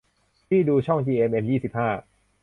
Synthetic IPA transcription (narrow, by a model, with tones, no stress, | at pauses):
t̪ʰiː˥˩duː˧t͡ɕʰɔ˥˩ŋt͡ɕiː˧ʔe˧mʔe˧njiː˥˩si˨˩p̚haː˥˩